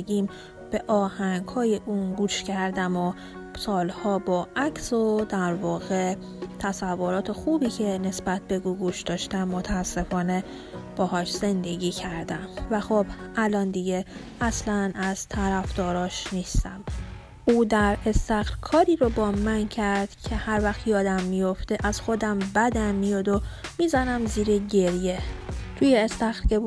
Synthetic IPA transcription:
ɡiːm | b̥e̞ʔɒːhæŋɡhɒːjeʔuːnɡuːʃcæɾd̪æmo | sɒːlhɒːbɒːʔæcsod̪æɾvɒːɣe | t̪ʰæsævːoɾɒːt̪ʰexuːbiːcʰe̞ne̞sbæt̪̚ʰbe̞ɡuːɡuʃd̪ɒːʃt̪æmːot̪ʰæːsːe̞fɒːne̞ | b̥ɒːɦɒːʃz̥e̞nd̪e̞ɟiːcʰæɾd̪æmvæxob̥ʔælɒːnd̪iɟe | ʔæslænʔæz̥t̪ʰæɾæfd̪̥ɒːɾɒːʃniːst̪æm | ʔuːd̪æɾe̞st̪æxɾkʰɒːɾiːɾobɒːmæncʰæɾd̪̥cʰe̞hæɾvæxt̪jɒːd̪æmːijoft̪eʔæz̥xo̞d̪æmbæd̪æmːijɒd̪omizænæmziːɾeɟe̞ɾjet̪ʰuːjeːst̪æxɾce̞

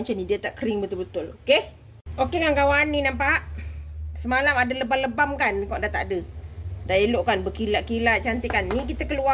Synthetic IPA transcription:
at͡ʃanidiət̪aʔkəɾiŋbət̪ʊlbət̪ʊloke | okeŋaŋkawaninampaʔsəmalamadələbaləbamkankɔʔdat̪a̰ʔdədaeloʔkanbəkilaʔkilat͡ʃant̪ekanːĩk̬it̪əkəlua

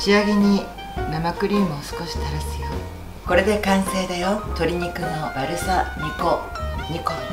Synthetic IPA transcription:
ɕiaɡe̞ɲ̟i | namakɯ̟ɾʲiːmosɨ̥ko̞ɕi̥t̪aɾasɨjo | ko̞ɾe̞d̪e̞kãɰ̃se̞ːd̪ajot̪o̞ɾʲiɲ̟ikɯ̟nobaɾɯ̟saɲ̟ikoɲ̟iko

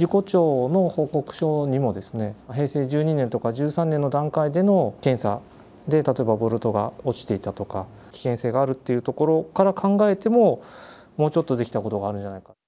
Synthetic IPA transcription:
ɾʲiko̞t͡ɕo̞ːno̞ho̞ːko̞kɯ̟̥ɕo̞ːɲ̟imo̞d̪e̞sɨne̞ɦe̞ːse̞ːʑɨːɲ̟inent̪o̞kaʑɨːsãnːe̞nːo̞d̪ãŋkaid̪e̞no̞kẽ̞ɰ̃sa̰ | d̪e̞t̪at̪o̞e̞babo̞ɾɯ̟t̪o̞ɡa̰o̞t͡ɕi̥t̪e̞it̪at̪o̞ka | kʲi̥kẽ̞ɰ̃seːɡaːɾɯ̟t̪ːe̞jɯ̟t̪o̞ko̞ɾo̞kaɾakʰãŋɡae̞t̪e̞mo̞ | moːt͡ɕo̞t̪ːo̞d̪e̞kʲi̥t̪ako̞t̪o̞ɡaːɾɯ̟̃ɲd͡ʑanaika

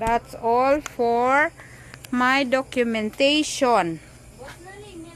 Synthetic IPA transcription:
d̪atsɔlfɔɹ | majdɔkjumɛ̃nteʃɔ̃n

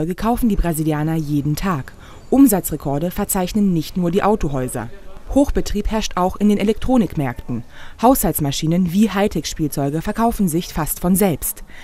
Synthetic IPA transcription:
ɔʏɡəkʰaʊfn̩diːbʁaziljaːnɐjeːdn̩tʰaːk | ʔʊmzat͡sʁekʰɔɐdəfɛɐt͡saɪçnənːɪçtnuːɐdiːʔaʊtoɦɔʏzɐ̰hoːxb̥ətʁ̥iːphɛɐʃtʔaʊxɪndeːnelɛk̚tʁ̥oːnɪkmɛɐktn̩haʊshaltsmaʃiːnənviːhaɪtʰɛkʃpiːlt͡sɔʏɡəfɛɐkʰaʊfn̩zɪçfastfɔnzɛlpst

